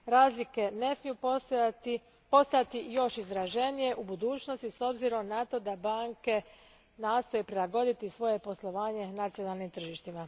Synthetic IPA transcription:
ɾaːzlike̞ne̞smijut̪ | po̞st̪at̪ijo̞ʃizɾaʒe̞nije̞ʔubud̪uːt͡ʃno̞st̪iso̞bziɾo̞mnat̪o̞d̪abaːŋke̞ | naːst̪o̞jepɾilˠaɡo̞d̪it̪isʋo̞je̞po̞slˠo̞ʋaːɲe̞nat̪sijo̞nalˠnimt̪r̩ʒiʃt̪ima

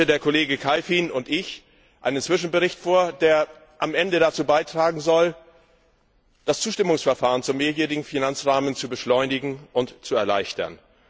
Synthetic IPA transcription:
ədeːɐkʰoleːɡəkʰalfiːnʊntɪç | ʔa̰ɪnənt͡sv̥ɪʃn̩bəʁɪçtfoːɐdeːɐ | ʔamʔɛndədat͡suːbaɪtʁ̥aːɡŋ̩zɔl | d̥ast͡suːʃtɪmʊŋsfɛɐfaːʁənt͡sumeːɐjeːʁɪɡŋ̩finant͡sʁaːmənt͡subəʃlɔʏnɪɡŋ̩ʔʊntt͡suɛɐla̰ɪçtɐ̰n

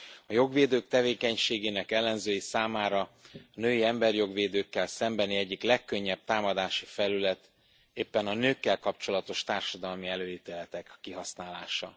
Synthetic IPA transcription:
ɒjo̞ɡveːd̪øːk̚t̪ɛveːkɛɲʃeːɡeːnɛkɛlːɛnzøːjisaːmaːɾɒɒnøːjiɛmbɛrjo̞ɡʋeːd̪øːkːɛlsɛmbɛniɛɟːiklɛkːø̞ɲːɛp̚t̪aːmɒd̪aːʃifɛlylɛt̪ | eːpːɛnɒnøːkːɛlkɒpt͡ʃo̞lɒt̪o̞ʃt̪aːrʃɒd̪ɒlmiɛløːit̪eːlɛt̪ɛkːiɦɒsnaːlaːʃɒ

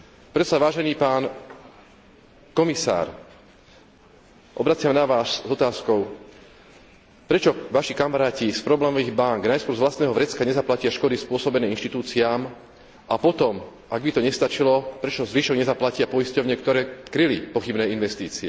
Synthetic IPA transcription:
pɾɛt̪saʋaːʒɛniːpaːn | kɔmisa̰ːɾ | ʔɔbɾat͡sɪamnaʋaːszɔt̪aːskɔʊ | pɾɛt͡ʃɔʋaʃikamaɾaːcispɾɔblɛːmɔʋiːɣbaŋɡnajskwɔɾzʋlast̪nɛːɦɔʋɾɛt͡skaɲɛzaplacɪaʃkɔd̪ispʊɔsɔbɛnɛːinʃt̪it̪uːt͡siaːm | ʔapɔt̪ɔm | aɡbit̪ɔɲɛst̪at͡ʃilɔpɾɛt͡ʃɔzʋiːʃɔɡɲɛzaplacɪapɔiscɔʊɲɛkt̪ɔɾɛːkɾilipɔxibnɛːinʋɛst̪iːt͡siɛ

